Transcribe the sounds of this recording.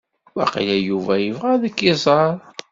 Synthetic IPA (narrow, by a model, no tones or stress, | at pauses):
wæ̰qilæjuvæjəvʁæðəkːizˤɑɾˤ